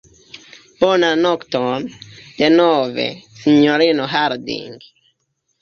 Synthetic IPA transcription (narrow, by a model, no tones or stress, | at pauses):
ponanokt̪omd̪̥enovḛsiɲoɾinoɦaɾd̪ḭŋɡ